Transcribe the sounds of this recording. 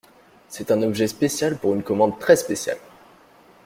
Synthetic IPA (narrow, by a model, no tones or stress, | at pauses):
sɛt̪ɛ̃nɔbʒɛspesjalpuʁynkɔmɑ̃d̪̚t̪χɛspesja̰l